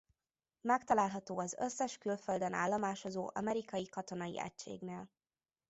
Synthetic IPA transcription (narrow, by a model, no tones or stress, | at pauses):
mɛk̚t̪ɒlaːlɦɒt̪oːɒzø̰sːɛʃkylføld̪ɛna̰ːlːɒmaːʃozoːʔɒ̰mɛɾikɒjikɒt̪o̞nɒjḭɛ̰cʃḛːɡneːl